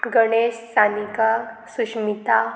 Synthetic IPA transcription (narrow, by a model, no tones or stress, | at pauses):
ɡəɽ̃essanikasuɕmit̪a